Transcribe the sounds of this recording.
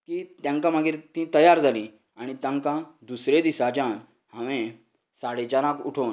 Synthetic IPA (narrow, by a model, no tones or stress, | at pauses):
kiːt̪jãŋkãmaɡiːɾt̪ĩt̪əjaɾd͡zʱalĩ | aɽ̃it̪jãŋkãd̪usɾed̪isat͡ɕãn | hãʋẽ | saɽet͡ɕaɾãkuʈʰon